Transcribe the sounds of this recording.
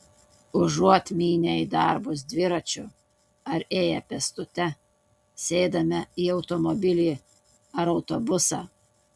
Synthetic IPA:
ʊʒuɔt̪ʲmʲiːnʲɛid̪ɑˑɾbʊs̬d̪ʲʋʲɪɾɐt͡ʃʲʊ | ɐɾeːjɛpʲɛst̪ʊt̪ʲɛ | sʲɛɪd̪ɐmʲɛiːɒʊt̪ɔmɔbʲɪlʲiː | ɐɾɒʊt̪obʊsɑː

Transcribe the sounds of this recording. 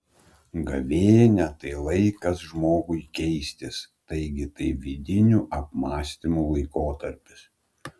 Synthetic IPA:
ɡɐʋʲeːjnʲɛt̪ɐɪlˠɐɪkɐsʒmoːɡʊɪkʲɛɪsʲt̪ʲɪst̪ɐɪɡʲɪt̪ɐɪʋʲiːd̪ʲɪnʲuːʔɐp̚mɑːsʲt̪ʲɪmuːlˠɐɪkoːt̪ɐɾʲpʲɪs

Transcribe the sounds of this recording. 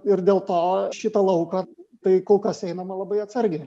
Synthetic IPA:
ɪɾd̪ʲeːlˠt̪oːʃʲɪt̪ɐlˠɐʊkɐt̪ɐɪkoːlˠkɐsɛɪnɐmɐlˠɐbɐɪɐt̪sɐɾʲɡʲe

